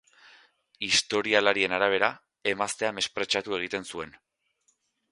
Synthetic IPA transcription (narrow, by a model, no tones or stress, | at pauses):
ist̪o̞ɾialaɾie̞naɾaβ̞e̞ɾa | e̞mast̪e̞ame̞spɾe̞t͡ʃat̪ue̞ɣ̞it̪e̞nsue̞n